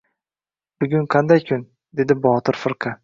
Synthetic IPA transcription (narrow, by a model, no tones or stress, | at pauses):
b̥ʊɡʲʊŋqʰɑnd̪ajkʰʊn | d̪e̞d̪ɪbɒt̪ʰɪɾfɪɾqʰɑ